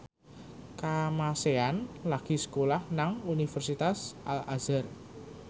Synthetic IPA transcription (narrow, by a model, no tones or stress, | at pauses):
kamaseanlaɡ̥isə̥kolahnaŋunifərsit̪asʔalazər